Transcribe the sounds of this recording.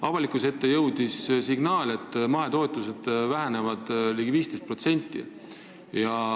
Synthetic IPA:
ɑvɑlikuse̞t̪ːe̞jɤwd̪̥issiɡ̥nɑːle̞t̪ːˑmɑɦe̞t̪o̞et̪ːˑuse̞d̪̥væɦæne̞vɑd̪̥liːɡiviːst̪e̞jst̪̚pro̞t̪se̞nʲt̪ːˑḭ | jɑ

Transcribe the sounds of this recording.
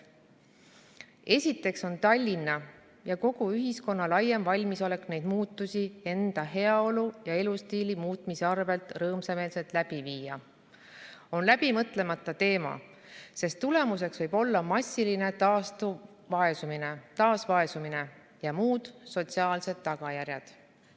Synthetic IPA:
e̞sʲit̪ːˑe̞kso̞nt̪ɑlʲːinːɑ | jɑko̞ɡ̥uyɦisko̞nːɑlɑjːemvɑlʲmiso̞le̞knejd̪̥muːt̪ˑːusie̞nd̪̥ɑɦe̞ɑo̞lujɑe̞lust̪iːlimuːt̪miseɑrve̞lt̪ˑrɤːmseme̞ːlse̞lt̪læb̥iviːjɑ | o̞nlæb̥imɤt̪le̞mɑt̪ːˑɑt̪e̞ːmɑ̰ | se̞st̪ːule̞mus̬e̞ksvɤjb̥o̞lːɑmɑsʲːiline̞t̪ɑːst̪u | vɑe̞sumine̞t̪ɑːsvɑe̞sumine̞ | jɑmuːd̪̥so̞t̪siɑːlse̞d̪̥ːɑɡ̥ɑjærjɑd̪̥

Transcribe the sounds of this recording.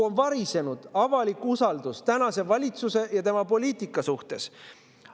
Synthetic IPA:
onvɑɾise̞nud̪̥ɑvɑlikːusɑld̪ust̪ænɑse̞vɑlʲit̪suse̞jɑt̪e̞mɑpo̞lʲiːt̪ˑikːˑɑsuht̪e̞s

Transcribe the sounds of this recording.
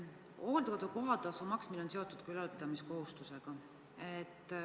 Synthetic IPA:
o̞ːld̪kod̪uko̞ɦɑd̪ɑsomɑksmilo̞nse̞o̞t̪ːˑud̪̥kylɑlpid̪̥ɑmisko̞ɦust̪use̞ɡ̥ɑ | et̪ːˑ

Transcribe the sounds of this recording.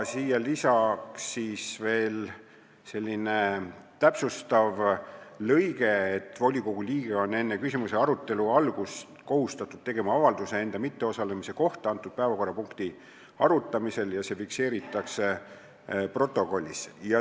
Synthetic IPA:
siːjɑlisɑksiːsve̞ːl | se̞lʲːine̞t̪æpsust̪ɑvlɤjɡe̞ːt̪ːˑvo̞lʲiko̞ɡ̥ulʲiːɡ̥eo̞nːe̞nːe̞kysimuse̞ɑɾut̪ːˑe̞luɑlɡ̥us | ko̞hust̪ɑt̪ːˑud̪̥̚t̪e̞ɡ̥e̞mɑɑvɑld̪use̞e̞nd̪̥ɑmit̪ːe̞o̞sɑle̞mise̞ko̞ht̪ɑɑnt̪ːˑud̪̥̚pæevɑko̞rːɑpuŋkt̪i | ɑɾut̪ˑːɑmise̞ljɑse̞fikse̞ːɾit̪ːˑɑkse̞ | pro̞t̪ːˑo̞ko̞lʲːḭsjɑ

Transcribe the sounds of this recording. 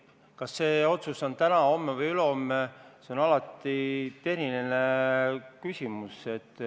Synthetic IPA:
kɑsːe̞ːo̞t̪sust̪ont̪ænɑo̞mːevɤjyleomːese̞o̞nɑlɑt̪ːˑit̪e̞ɾinene | kysʲimuse̞t̪ːˑ

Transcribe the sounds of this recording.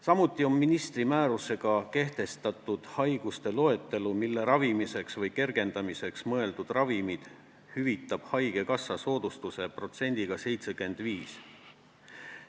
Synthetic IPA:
sɑmut̪ːˑio̞mːinist̪rimæːɾuse̞ɡ̥ɑke̞ht̪e̞st̪ɑt̪ːˑud̪̥hɑjɡ̥ust̪e̞lo̞e̞t̪ːˑe̞lumilːe̞ɾɑvimise̞ksvɤjke̞rɡ̥e̞nd̪̥ɑmise̞ksmɤe̞ld̪ud̪̥rɑvimid̪̥ | hyvit̪ːˑɑb̥hɑjɡ̥e̞kɑsːɑso̞ːd̪̥ust̪use̞pro̞t̪se̞nʲd̪̥iɡ̥ɑse̞jt̪se̞ɡe̞nd̪̥viːs

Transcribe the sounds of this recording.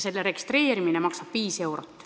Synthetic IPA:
se̞lːeɾe̞ɡ̥ist̪ɾe̞ːɾiminemɑksɑb̥viːse̞wɾot̪ːˑ

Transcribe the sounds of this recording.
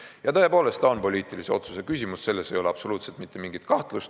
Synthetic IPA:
jɑt̪ɤːepo̞ːle̞st̪ɑonpo̞lʲiːt̪ˑilise̞o̞̰t̪su̥sekysʲimusse̞lːe̞se̞joleɑpso̞luːt̪selt̪mit̪ːˑe̞miŋɡ̥it̪kɑht̪lust̪

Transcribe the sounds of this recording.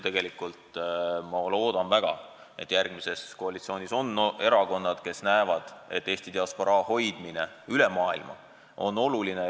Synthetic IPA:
t̪e̞ɡ̥e̞likˑult̪mɑlo̞ːd̪̥ɑnvæɡ̥ɑ̰ | e̞̰t̪ːˑjærɡ̥mise̞sko̞ɑlit̪sio̞ːnʲiso̞ne̞ɾɑɡko̞nːɑd̪̥ke̞snæevɑd̪̥e̞t̪ːe̞ːst̪id̪̥eɑspo̞ɾɑːho̞jd̪̥mine̞ | ylemɑːilmɑ̰ | o̞̰nːo̞luline

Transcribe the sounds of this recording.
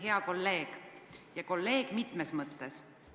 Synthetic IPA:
ɦe̞ɑko̞lːe̞ːɡ̥jɑko̞lːe̞ːɡ̥mit̪ˑmesmɤt̪ːes

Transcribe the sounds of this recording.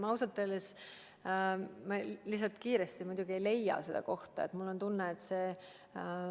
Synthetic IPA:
mɑwsɑt̪ːˑeles | mɑlis̬ːɑlt̪kiːɾest̪imud̪̥ʲuɡ̥iejle̞jɑ̰se̞d̪̥ɑ̰ko̞ht̪ɑ̰ḛt̪ˑmulːont̪unːeːt̪seː

